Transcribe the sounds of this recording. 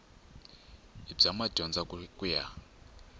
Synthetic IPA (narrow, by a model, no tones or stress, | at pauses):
ib͡ʐamaɟɔnd͡zakʼuja